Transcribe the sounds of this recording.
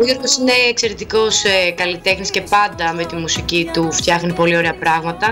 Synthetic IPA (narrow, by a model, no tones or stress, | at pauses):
oioɾɣo̞sine̞ːkse̞ɾet̪iko̞sekɐlit̪e̞xnisce̞pɐnd̪ɐme̞t̪imusicit̪uft̪çɐxnipo̞lio̞ɾeɐpɾɐɣmɐt̪ɐ